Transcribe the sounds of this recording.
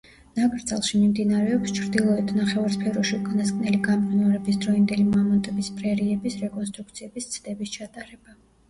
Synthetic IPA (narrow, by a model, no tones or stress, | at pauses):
nakʼɾd̪zalˠʃimimd̪inaɾɛɔpst͡ʃʰɾd̪ilˠɔɛt̪ʰnaχɛvaɾspʰɛɾɔʃiukʰanaskʼnɛliɡamkʼinɔɾɛbisd̪ɾɔind̪ɛlimamɔnt̪ʼɛbispʼɾɛɾiɛbisɾɛkʼɔns̬t̪ʼɾukt̪sʰiɛbist̪sʰd̪ɛbist͡ʃʰat̪ʼaɾɛba